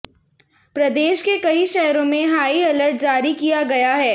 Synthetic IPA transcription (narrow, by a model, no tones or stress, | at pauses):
pɾɐd̪eːʃkekɐiʃɛɦɾõmẽɦaːiɐləɾʈ̚d͡ʒaːɾikijaɡɐjaɦɛː